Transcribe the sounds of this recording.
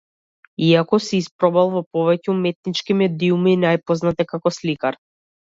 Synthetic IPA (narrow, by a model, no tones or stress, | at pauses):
iakɔsiispɾɔbalˠvɔpɔvɛcumɛt̪̚nit͡ʃkimɛd̪iuminajpɔznat̪ɛkakɔslikaɾ